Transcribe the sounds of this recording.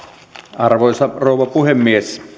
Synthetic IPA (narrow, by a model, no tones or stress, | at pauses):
ɑrʋoˑisɑroˑuʋˑɑpuhemːies